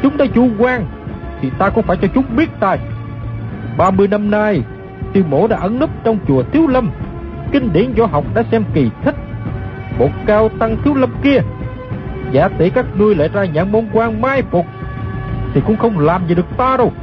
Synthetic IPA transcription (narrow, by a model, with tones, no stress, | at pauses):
t͡ɕʊ˨˦ŋ͡mɗa̰ː˧˥t͡ɕu˧˦kwaː˧ŋ | t̪ʰi˨˩t̪aː˧kʊ̰˧˥ŋ͡mfaː˧˩jt͡ɕɔ˧t͡ɕʊ˨˦ŋ͡mɓi˦˥ət̚t̪aː˧˩j | ɓaː˧mɨ˧əjna˧mnaː˧j | t̪i˧˩wmo̰˧˦ɗa̰ː˧˥ʔə˨˦nlə˦˥p̚t͡ɕɔ˧wŋ͡mt͡ɕu˨˩ət̪ʰi˨˦əwlə˧m | kï˧ŋ̟ɗḭ˨˧˦ənzɔ˧˩ɦa˨˩wk͡p̚ɗa̰ː˧˥sɛ˧mki˨˩t̪ʰï˦˥k̟̚mo˨˩t̚kaː˧wt̪a˧ŋt̪ʰi˨˦əwlə˧mki˧ə | za̰ː˨˦t̪i˧˨˦kaː˦˥k̚ŋɨ˧əjlḛ˧˩zaː˧ɲaː˨˩mo˧nkwaː˧ŋmaː˧jfu˨˩ | t̪ʰi˨˩kʊ̰˧˥ŋ͡mxə˧wŋ͡mlaː˨˩mzi˨ɗɨ˨˩ək̚t̪aː˧ɗo˧˩w